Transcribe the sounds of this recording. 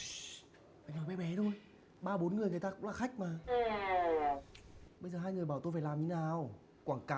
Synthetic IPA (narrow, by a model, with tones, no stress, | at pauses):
ʔa˧˨˩ŋ̟hɔː˨˩jɓɛ˨˦ɓɛ˨˦t̪ʰo˧j | ɓaː˧ɓo˨˦nŋɨ˨˩əjŋa˨˩jt̪aː˧kʊ̰˨˦˥ŋ͡mlaː˨˩xa˦˥k̟̚maː˨˩˨ | ɓə˧jzəː˨˩ɦaː˧jŋɨ˨˩əjɓaː˧˩t̪o˧jfaː˧˩jlaː˨˩mɲi˧˦naː˨˩w | kwaː˧˩ŋkaː˨